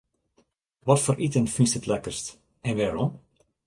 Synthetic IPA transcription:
ʋɔtfoːɾʔitənfinstətlɛkərst | ɛnʋaːɾɔm

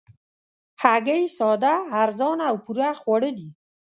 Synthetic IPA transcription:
haɡajsɑd̪aːɾzɑnawpuɾaxwaɽəli

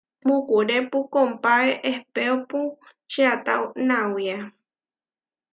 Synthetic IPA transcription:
mukuɾepukompaeʔehpeopu | ʃiat̪a̰wnãwja

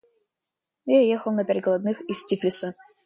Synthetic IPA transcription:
jajexəlˠnɐpʲæɾʲtʲɡɐlˠɐd̪nɨxɪstʲifʲlʲɪsə

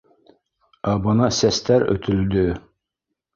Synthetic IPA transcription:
ɑbɤ̆nɑsæst̪æɾɵ̰t̪ʰɵ̆ld̪ɵ

